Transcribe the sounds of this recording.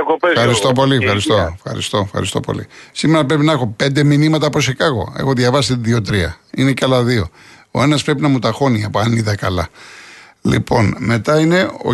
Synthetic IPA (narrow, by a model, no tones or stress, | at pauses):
oɐɾist̪opo̞liexɐɾist̪oefxɐ̰ɾḭst̪o̞efxɐ̰ɾist̪o̞̰po̞̰lḭsime̞ɾɐpɾe̞pinɐexo̞pe̞nd̪e̞minimɐt̪ɐposekɐɣo̞̰e̞xo̞ðʝɐvɐst̪iðiot̪ɾiɐ̰inecɐlɐðio̞ | o̞̰e̞nɐspɾe̞pinɐmut̪ɐxo̞niɐpoɐniðɐkɐlɐ | lḭpʰo̞nme̞t̪ɐine̞o̰